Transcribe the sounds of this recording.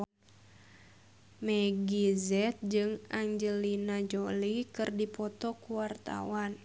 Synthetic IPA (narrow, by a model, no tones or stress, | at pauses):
mɛɡizɛt̪̚d͡ʒɨŋaɲd͡ʒəlinad͡ʒolikɨrdipɔt̪ɔkuwart̪a̰wan